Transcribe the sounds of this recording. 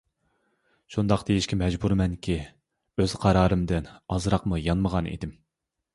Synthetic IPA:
ʃund̪ɑqd̪ejiʃkʲɛmɛd͡ʒbuɾmɛnkʲʰi | øz̥qʰɑɾɑːɾɨmd̪ɨnɑzɾɑqmujɑnməʁɑnḭd̪ɪm

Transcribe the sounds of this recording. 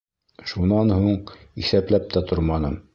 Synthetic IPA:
ʃunɑnhuɴisæplæp̚t̪æt̪ʰoɾmɑnɤ̰m

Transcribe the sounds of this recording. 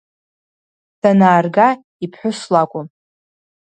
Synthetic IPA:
dʰanaːrɡa | ipʰħʷʊslakʷʼʊm

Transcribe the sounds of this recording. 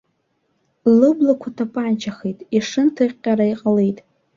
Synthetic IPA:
lɨblakʷʰatʰapʼaʕant͡ʃʰaχejtʼiʂɨntʰɨqʲʼːaɾaiqʼale̞jtʼ

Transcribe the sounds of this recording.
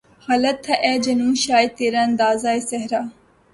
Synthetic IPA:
xɐlɐt̪ʰːɐʔeːd͡ʒɐnũːɕaːjt̪iɾɐnd̪aːzaːjsɐɦɾaː

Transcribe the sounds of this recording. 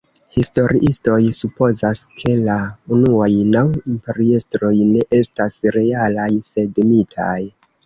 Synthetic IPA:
histo̞ɾiʔisto̞jsupo̞zaskʰe̞launuajnawimpe̞ɾiestɾo̞jne̞ʔe̞stasɾe̞alajse̞dmitʰa̰j

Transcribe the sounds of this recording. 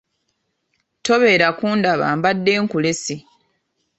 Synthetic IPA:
to̞βe̞ːɾakuːndaβa̰ːmbadːe̞ːŋkule̞si

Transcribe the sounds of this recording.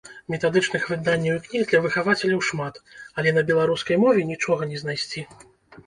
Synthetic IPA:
mʲɛt̪ad̪ɨt͡ʂn̪ɨxvɨd̪anʲːɐwiknʲiɣd̪lʲɐvɨxavat͡sʲɛlʲɐwʂmat̪ɐlʲɛnɐbʲɛlˠaɾuskɐjmɔvʲɛnʲit͡ʂɔɣɐnʲɛznajsʲt͡sʲi

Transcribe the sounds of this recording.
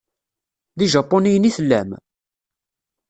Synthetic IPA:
ðiʒɑpːonijəniθəlːæ̰m

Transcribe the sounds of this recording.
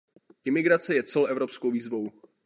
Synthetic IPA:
ʔɪmɪɡɾat͡sɛjɛt͡sɛloʔɛvɾo̞pskowviːzvo̞w

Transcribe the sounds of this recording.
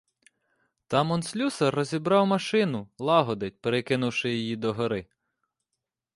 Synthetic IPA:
t̪ɑmɔnsʲlʲusɐrːɔzʲibɾɑwmɐʃɪnʊlˠɑɦɔd̪ɪtʲpeɾekɪnʊwʃɪjɔjid̪ɔɦɔɾɪ

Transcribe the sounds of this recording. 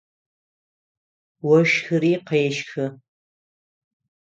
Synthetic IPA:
wɔʃxɨɾiːqɐjɛʃxɨ

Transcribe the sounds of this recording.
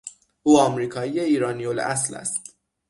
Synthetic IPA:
ʔuːɒːmɾiːkʰɒːjiːjeiːɾɒːnijolæ̰slæ̰st̪

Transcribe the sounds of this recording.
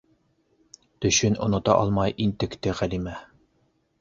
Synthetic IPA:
t̪ɵ̆ɕɵnŏ̰nŏt̪ɑ̰ʔɑ̰lˠmɑjʔint̪ɘ̆kt̪ɘʁælimæ

